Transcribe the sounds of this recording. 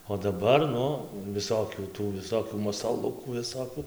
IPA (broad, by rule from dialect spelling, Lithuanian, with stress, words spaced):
oː dɐˈbɐr ˈnʊ ʋʲɪˈsoːkʲuː ˈtuː ʋʲɪˈsoːkʲuː mɐsɐˈlˠʊkuː ʋʲɪˈsoːkʲuː